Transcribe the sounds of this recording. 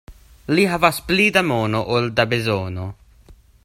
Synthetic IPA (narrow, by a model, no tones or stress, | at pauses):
liɦavasplid̪amoːnoʔold̪abezoːno